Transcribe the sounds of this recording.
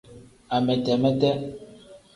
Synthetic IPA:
a˨mɛ˨tɛ˨mɛ˦tɛ˦

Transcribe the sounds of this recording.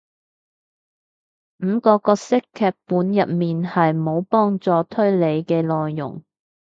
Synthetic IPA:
m̩˨˧kɔː˧kɔː˧k̚sɪ˥kʰːɛː˧k̚puː˨˥njɐ˨t̚miː˨nhɐ˨jmo˨˧wpɔː˥ŋt͡sɔː˨˧t̪ʰɵ˥ɥle˨˧jkɛː˧lɔː˨jːʊ̰˨˩ŋ

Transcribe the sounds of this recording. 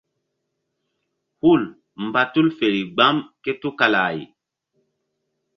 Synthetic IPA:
hu˦˨l | m˨ba˦tu˦lfe˨ɾi˨ɡ͡ba˦mke˦tu˦ka˨la˨jḭ˨

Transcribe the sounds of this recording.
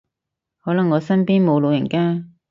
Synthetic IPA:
hɔː˨˥lɐ˨˩ŋːɔː˨˧sɐ˥npiː˥nmo˨˧wlo˨˧wjɐ˨˩ŋkaː˥

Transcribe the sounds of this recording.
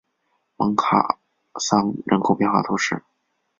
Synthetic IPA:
mɤ˧˥ŋkʰa̰˨˩ | sɑ˥ŋɻə˧˥nkʰo˨˩ʊpjɛ˥˧nxwa˥˩t̪ʰu˧˥ʂɻ̩˥˩

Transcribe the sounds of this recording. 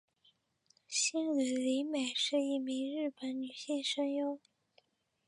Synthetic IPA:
ɕi˥ni˨˩li˧˥me˨˩ɪʂɻ̩˥˧i˥˩mi˧˥ŋɻɻ̩˥˩pə˨˩˦nny˨˩ɕjɛ˥˩nʂə˥ŋjʊ˥ŋ

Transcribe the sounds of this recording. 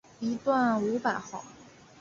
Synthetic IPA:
i˧˥t̪wa˥˩nu˧˥pa˨˩˦xɑ˨˩˦

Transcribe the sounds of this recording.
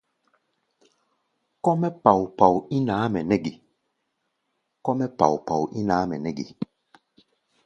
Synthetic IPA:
kɔ˦mɛ˦pa˨wpa˨wi˦naː˨˦mɛ˨nɛ˦ɡe˨ | kɔ˦mɛ˦pa̰˨wpa˨wʔi˦naː˨˦mɛ˨nɛ˦ɡḭ˨

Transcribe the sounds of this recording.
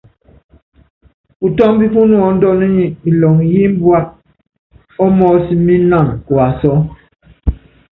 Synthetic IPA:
pu˨tɔ˦m˦bi˦fu˦nwɔ˨n̩˦dɔ˦nə˦ɲi˦i˨lɔ˨ŋ˨ji˦m̩˦bwa˦t̚ | ɔ˦mɔ˦si˦mi˦na˦˨ŋ˨kwa˨sɔ˦

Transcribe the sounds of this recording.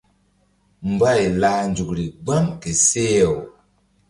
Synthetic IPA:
m̩˨ba˦i˨la˦nd͡ʒu˨kɾi˨ɡ͡ba˦mke˨se˦˨w

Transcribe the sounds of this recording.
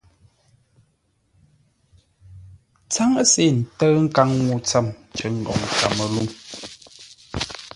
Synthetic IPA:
t͡sa˦ŋə˦se˦˨n̩˨tə˦ŋ̩˦ka˦ŋŋu˨˦t͡sa˦˨mt͡ʃə˨˦ŋ̩˨ɡɔ̰˨ŋ˨ka̰˨mə˨lu˦ŋ

